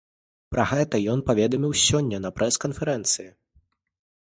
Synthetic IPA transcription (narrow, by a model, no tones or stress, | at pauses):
pɾɐɣɛt̪ɐjɔnpavʲɛd̪ɐmʲiwsʲɔnʲːɐnɐpɾʔɛskɐnfʲɛɾɛnt̪sɨji